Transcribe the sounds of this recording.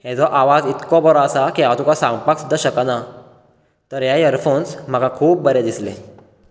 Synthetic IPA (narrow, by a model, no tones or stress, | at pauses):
hɛ̃d͡zɔʔaʋad͡zit̪kɔbɔɾɔəsakiɦãt̪ũkasãŋɡpaksud̪ʱəɕəkana | t̪əɾɦjajəɾfonsm̤əɡakʰuːp̚ːəɾed̪isle